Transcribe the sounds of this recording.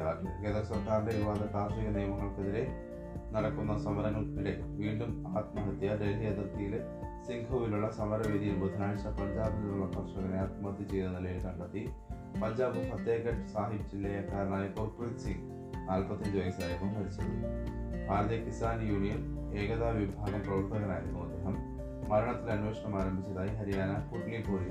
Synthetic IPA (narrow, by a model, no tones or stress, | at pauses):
aːkkeðɐrɐsɐrkaːɾindeʋaːðɐt̪aːʂiɣɐnijmɐŋːɐɭkeðiɾe̞ | nɐɽɐkːunːɐsɐmɐɾɐŋːɐɭpile | ʋiːɳɖumaːt̪mɐɦɐt̪jɐɖelɦijɐd̪rɐt̪ːijil | siŋɡʱɐʋiluɭːɐsɐmɐɾɐʋid̪ijilbud̪ʱɐnaːɻt͡ɕːɐpɐɲd͡ʑaːbinuɭːɐpɐrʂɐɣɐnejaːt̪mɐɐt̪ːit͡ɕe̞jnːɐnilɐjilkɐɳɖɐt̪ːi | pɐɲd͡ʑaːbumpɐt̪jeːɣɐʈːɨsaːɦibd͡ʑilːɐjɐkːaːɾɐɳaːjɐkoːrpuritsiŋɡ | naːlpɐt̪ːɐɲd͡ʑuʋɐjsaːjkːɐmɦɐɾit͡ɕːɐnibʱaːɾɐðjɐkist̪aːnjuːɳijɐme̞ːɣɐðaːʋibʱaːnɐkoɭpːɐɣɐnaːjiɾukːumɐd̪ʱeːɦɐmː | ɐɾɐɳɐt̪ːilɐnuʋeːʂɐɳɐmaːɾɐmbʱit͡ɕːɐðaːjiɦɐɾijaːnɐpuʈɳipoːɻi